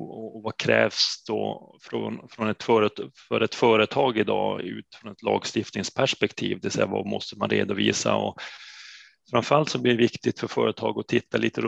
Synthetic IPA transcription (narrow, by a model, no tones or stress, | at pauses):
ɔvakʰɾɛːvsd̪ɔfɾɔ̰nfɾɔnɛt̪fœːɾət̪fœɾɛt̪fœːɾət̪ʰɑːɡɪd̪ɑːʉ̟̰ːt̪fɾɔnɛt̪lɑːɡst̪ɪft̪nɪŋspʰæʂpɛkt̪ʰiːvd̪ɛvɛsɛ̰jːava̰mɔst̪əmanɾḛːd̪ʊviːsa̰ɔ̰ | fɾamfœɾalt̪sɔbliːɖɛvɪkt̪ɪɡt̪fœɾfœːɾət̪ʰɑːɡɔt̪ʰɪt̪ʰːaliːt̪əɾ